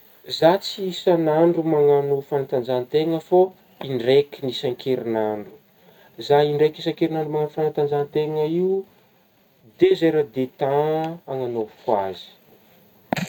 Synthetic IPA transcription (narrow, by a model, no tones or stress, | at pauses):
zat͡siisanaɳɖ͡ʐumaŋanufanat̪and͡zant̪eŋəfo | iɳɖ͡ʐekʲinisaŋkʰeɾinaɳɖ͡ʐu̥ | zaiɳɖ͡ʐekisaŋkeɾinaɳɖ͡ʐumaŋanufanat̪and͡zant̪eŋəiu | d̪ezeɾəd̪et̪ãaŋanovkwazi̥